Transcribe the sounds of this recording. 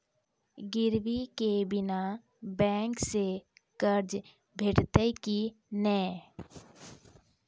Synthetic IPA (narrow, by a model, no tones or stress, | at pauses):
ɡɪɾwikebɪna | bɛ̃ːŋkseɡ̥əɾd͡ʒ | bʱeʈt̪əjki | nɛː